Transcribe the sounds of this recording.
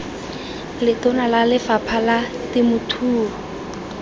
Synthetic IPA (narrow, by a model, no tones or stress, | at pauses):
lɪtʊnalalɪfapʰala | tɪmʊtʰuːɔ